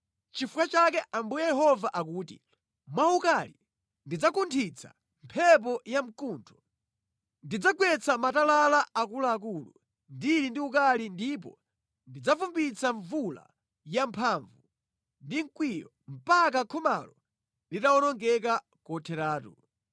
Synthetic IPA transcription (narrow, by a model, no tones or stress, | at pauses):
t͡ʃifukat͡ʃak̬ɛʔambujɛjɛɦɔvaʔakuːtḭ | mwaukali | ndid͡zakuntʰit͡sʰa̰ | mpʰɛp̬ɔjam̩kuntʰɔ̥ | ndid͡zaɡwɛt͡samatalalaakulaːk̬uːlṵ | ndiɾindiukalindip̬ɔ̰ | ndid͡zafumbit͡saɱvula̰ | jampʰaɱvu | ndiŋkwijɔ̰ | m̩pak̬akʰɔma̰lɔ | litawɔnɔŋɡɛk̬a | kɔtʰɛɾaːtṵ